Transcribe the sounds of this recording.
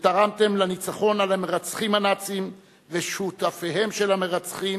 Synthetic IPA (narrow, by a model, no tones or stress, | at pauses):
t̪aʁamt̪e̞mlanit͡saχo̞nalameʁat͡sχimanat͡sim | veʃutafeɦe̞mʃelameʁat͡sχim